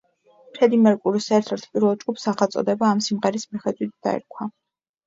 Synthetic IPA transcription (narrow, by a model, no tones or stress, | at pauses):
pʰɾɛd̪imɛɾkʼuɾisɛɾt̪ʰɛɾt̪ʰpʼiɾvɛlˠd͡ʒɡupsaχalt̪sʼɔ̰d̪ɛbaːmsimʁɛɾismiχɛd̪zʼwit̪̚ʰd̪̥a̰ɛ̰ɾkʰwa